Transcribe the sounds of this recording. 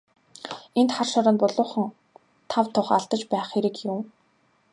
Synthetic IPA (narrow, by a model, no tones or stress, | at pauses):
ent̪χarʃɔɾə̆npʊɮʊːχə̆ŋ | t̪ʰawt̪ʰʊχaɮt̪ə̆t͡ɕpæːχeɾɘ̆kjʊm